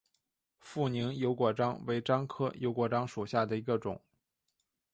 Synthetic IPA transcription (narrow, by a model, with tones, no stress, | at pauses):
fu˥˩ni˧˥ŋjo˧˥ʊkwɔ˨˩ʈ͡ʂɑ˥ŋwe˧˥ɪʈ͡ʂɑ˥ŋkʰɤ˥jʔo˧˥ʊkwɔ˨˩ʈ͡ʂɑ˥ŋʂu˨˩ɕja˥˩d̪ə˩i˧˥ɡə˧ʈ͡ʂʊ̰˨˩˦ŋ